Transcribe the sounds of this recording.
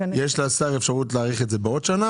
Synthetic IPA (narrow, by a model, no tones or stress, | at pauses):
jeʃlasaʁefʃaʁutleːʁiχetzebeo̞dʃana